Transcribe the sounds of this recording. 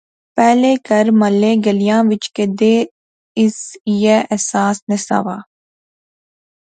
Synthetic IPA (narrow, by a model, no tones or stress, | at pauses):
pɛːlekəɾməlːeːɡəlijãːʋɪt͡ʃked̪eː | ɪsjeɛsaːsnɪsa̰ːʋaː